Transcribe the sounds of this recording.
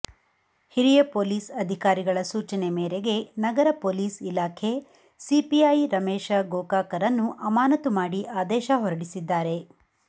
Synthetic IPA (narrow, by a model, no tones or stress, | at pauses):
hiɾijɐpoːliːsɐd̪ʱikaːɾiɡɐɭɐsuːt͡ʃɐnemeːɾe̞ɡe̞nɐɡɐɾɐpoːliːsilaːkʰe̞ | sipiɐjɾɐmeːʃɐɡoːkaːkɐɾɐnːuʔɐmaːnɐt̪umaːɽiʔaːd̪ɛːʃɐɦɔɾɐɽisid̪ːaːɾe̞